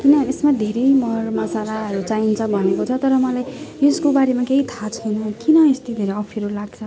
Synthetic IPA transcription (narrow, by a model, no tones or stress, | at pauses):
kinʌesmad̪ʱeɾʌjmʌrmʌsalaʌɾut͡saint͡sʰʌbʱʌnekot͡sʰʌt̪ʌɾʌmʌlajjeskobaɾemakeɦit̪ʰat͡sʰʌnʌkinʌest̪id̪ʱeɾʌʌpʰʌɾolaɡ̚t͡sʰʌ